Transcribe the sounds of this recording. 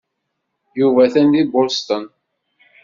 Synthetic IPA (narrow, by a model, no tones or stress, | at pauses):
juvæθænd̪ibʊɾst̪ən